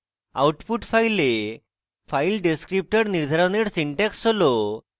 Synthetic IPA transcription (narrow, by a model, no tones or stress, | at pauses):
a̰wʈpuʈfajle | failɖeskɾip̚ʈəɽniɾd̪ʱəɾaʋneɽsiɳʈɛksolo